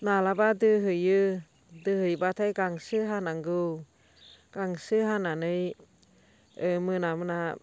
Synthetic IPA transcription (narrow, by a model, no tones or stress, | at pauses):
nalabadɯɦɯjɯ | dɯhɯjbatʰajɡaŋsɯɦanaŋɡɯw | ɡ̥aŋsɯɦananɯj | ɯmɯnamɯna